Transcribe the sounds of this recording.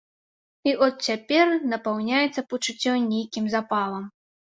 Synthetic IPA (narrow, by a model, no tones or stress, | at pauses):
iʔɔt̪t͡sʲapʲɛrnɐpawnʲajɛt̪sːɐput͡ʂut͡sʲːɔnʲejkʲimzapalˠɐm